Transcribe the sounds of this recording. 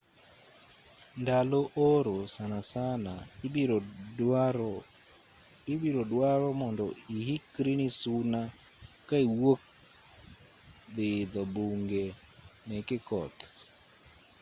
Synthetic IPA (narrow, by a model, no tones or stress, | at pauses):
ndaloʔoɾosanasana | ibiɾodwaɾɔmɔndɔihikɾinisuna | kaiwok̚ | d̪ɪd̪ɔbuŋɡe | mɛkɪkɔt̪